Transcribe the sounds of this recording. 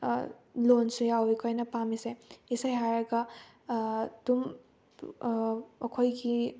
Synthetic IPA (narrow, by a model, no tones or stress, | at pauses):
lonsujawikʰojnɐpamiseisajɦaɾɐɡɐ | dum | ɐkʰojɡi